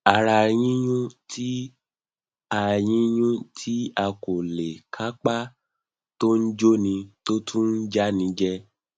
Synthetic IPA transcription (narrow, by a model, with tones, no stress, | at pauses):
a˨ɾa˧˨j̃ĩ˦j̃ũ˦tʰi˦ | a˧j̃ĩ˦j̃ũ˦tʰi˦a˧ko˨le˨kʰa˦k͡pa˦ | to˦n̩˦d͡ʒo˦nĩ˧to˦tʰũ˦n̩˦d͡ʒa˦nĩ˧d͡ʒɛ˦